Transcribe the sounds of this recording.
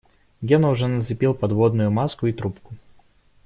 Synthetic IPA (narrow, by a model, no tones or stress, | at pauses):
ɡʲenəʊʐɛnət̪sɪpʲilˠpɐd̪vod̪nʊjʊmaskʊit̪ɾupkʊ